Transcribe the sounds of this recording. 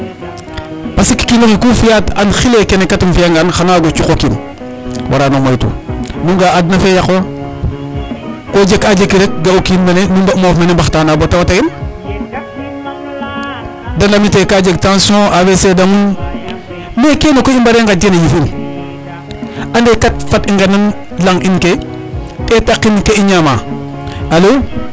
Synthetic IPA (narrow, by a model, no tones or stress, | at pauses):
pasiki̥kinokikufijatanxilekenekːatimfiaŋɡanxanaɡot͡ʃukokin | wʔa̰ɾanomajtṵmuŋɡaadnafejaxwa | kod͡ʒekad͡ʒekiɾek̚ɡaokinmenmibamofmenembaxtanabotawataɡin | dalamitekad͡ʒek̚tãnsõʔawesedaŋun | mekenokoimbaɾeŋɡad͡ʒenajifin | andekat̚fatiŋɡanan | laŋinke | tetakːinkeiɲama | alo